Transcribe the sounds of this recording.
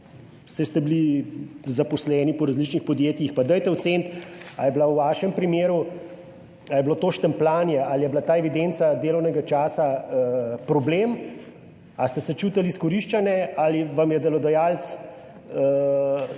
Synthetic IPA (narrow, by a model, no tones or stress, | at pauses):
sɛst̪ɛbili | zapɔslɛːnipɔɾazlit͡ʃnixpɔd̪jeːt̪jixpad̪əjt̪ɛwt̪sent̪a̰jɛblawʋaːʃɛmpɾimeːɾu | ajɛblot̪oːʃt̪ɛmplaːnjɛalijɛblat̪aːɛʋid̪ent̪sad̪eːlɔwnɛɡat͡ʃaːsa | pɾɔblem | ast̪ɛsɛt͡ʃuːt̪aliːskɔɾiʃt͡ʃanjɛaliʋamjɛd̪ɛlɔd̪ɐjaːlt̪s